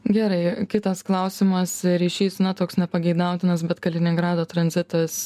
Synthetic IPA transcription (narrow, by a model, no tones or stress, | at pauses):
ɡʲæːɾɐɪkʲɪt̪ɐsklˠɐʊsʲɪmɐsɾʲɛɪʃʲiːsnɐt̪oːksnʲɛpɐɡʲɛɪd̪ɐʊt̪ʲɪnɐs̬bʲɛt̪kɐlʲɪnʲɪŋɡɾɑːd̪oːt̪ɾɐnʲzʲɪt̪ɐs